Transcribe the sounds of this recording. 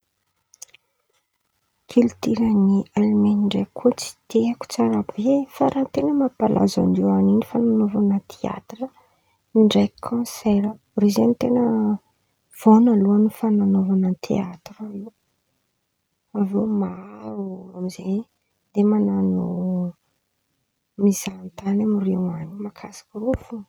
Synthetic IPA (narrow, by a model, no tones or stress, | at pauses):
kʰilit̪iɾənialimeniɳɖ͡ʐajkʰot͡si̥t̪eaku̥t͡saɾabefaɾʔant̪enəmapalʔa̰za̰nd̪ianinifananovanət̪ʰea̰t̪rə | niɳɖ͡ʐajkʰɔ̃sɛɾə | rezenit̪enə | v̥onaluanufananovanət̪ʰḛat̪rave | avema | amizej | d̪emananu | mizant̪anamirewanimakʰasḁkurufu